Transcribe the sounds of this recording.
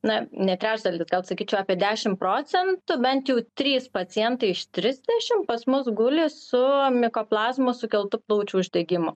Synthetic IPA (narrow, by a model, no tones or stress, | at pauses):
nɐnʲɛt̪ʲɾʲæːt͡ʃd̪ɐlʲɪːsɡɐlˠsɐkʲiːt͡ʃʲɛʊɑːpʲiɛd̪ʲæːʃʲɪmproːt͡s̪ʲɛnt̪ʊbʲɛnt̪jɛʊt̪ʲɾʲiːspɐt͡s̪ʲɪjɛnt̪ɐɪɪʃt̪ʲɾʲɪzʲd̪ʲɛʃʲɪmpɐsmʊsɡʊlʲɪsʊmʲɪkoːplˠɑːzmosʊkʲɛlˠt̪ʊplˠɐʊt͡ʃʲuːʊʒʲd̪ʲɛɡʲɪmo